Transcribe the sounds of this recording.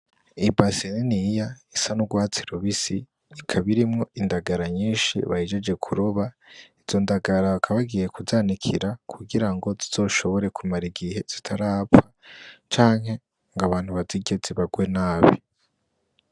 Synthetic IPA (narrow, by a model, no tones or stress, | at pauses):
ibasininijaisanuɡwaːt͡si̥ɾuβisi | ikʰaβiɾimŋo̞indaɡaɾaɲiːnʃḭβahid͡ʒe̞d͡ʒe̞kʰuɾoβa | iz̥o̞ndaɡaɾaβakʰaβaɡijekuzaːnikʰiɾakʰuɡiɾaŋɡo̞ziz̥o̞ːʃo̞βo̞ɾe̞kumaɾiɡihe̞z̥itʰaɾaːpfat͡ʃaːŋhe̞ | ŋɡaβaːn̥huβaziɟe̞ziβaɡwe̞naːβḭ